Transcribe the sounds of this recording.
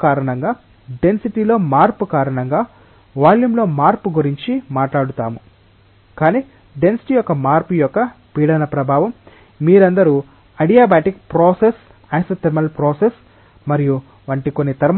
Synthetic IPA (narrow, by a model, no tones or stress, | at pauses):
kaːɾɐɳɐŋɡaː | ɖe̞nsiʈiːlo̞ːmaːɾpukaːɾɐɳɐŋɡaː | ʋaːljumlo̞ːmaːɾpuɡuɾiɲt͡ʃimaːʈlaːɽut̪aːmu | kaːniː | ɖe̞nsi̥ʈiːjɔkːɐmaːɾpujɔkːɐ | piːɽɐnɐpɾɐbʱaːʋɐmː | iːɾɐnd̪ɐɾu | ɐɽijaːbaːʈik̚pɾoːses | ɐjsɐt̪ɐɾmɐlpɾoːses | mɐɾiju | ʋɐɳʈiko̞nːit̪ɐɾm